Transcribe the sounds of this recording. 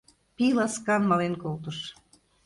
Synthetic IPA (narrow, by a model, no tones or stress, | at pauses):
pilɑskɑnmɑlenkolt̪ɤʃ